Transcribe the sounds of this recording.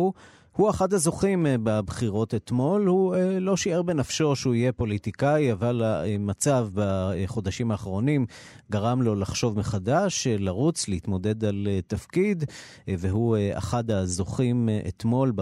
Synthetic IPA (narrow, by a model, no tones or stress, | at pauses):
huaχad̪hazo̞χimbabχiʁo̞t̪et̪mo̞lhuelo̞ʃieʁbenafʃo̞ʃeuije̞po̞lit̪ikajavalamat͡savbaχo̞d̪aʃimaːχʁo̞nim | ɡaʁamlo̞laχʃo̞vmeχadaʃlaʁut͡sleit̪mo̞d̪e̞d̪alet̪afkid̪ | veɦua̰χad̪hazoχimʔḛt̪mo̞lb